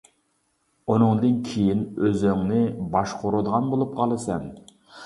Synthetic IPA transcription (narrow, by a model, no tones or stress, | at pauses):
unɨŋd̪ɨnkʲʰejinøzyŋnɪbɑʃqʰoɾud̪əʁɑnbolˠup̚qʰɑlˠɨsɛn